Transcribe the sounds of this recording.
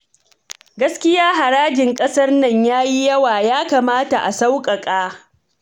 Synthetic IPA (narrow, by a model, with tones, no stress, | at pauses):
ɡɐ˦skʲɪ˦jaː˦ɦa˨ɾaː˦d͡ʒɪ˨ŋkʼɐ˦sɐ˦rnɐ˦˨ɲjaː˦ji˦jɐ˦waː˨jaː˦ka˨maː˦ta˨ʔa˨sa˦wkʼɐ˨kʼaː˦